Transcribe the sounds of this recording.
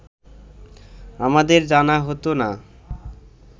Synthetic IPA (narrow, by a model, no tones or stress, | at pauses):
amad̪eɾd͡ʑanaɦot̪ona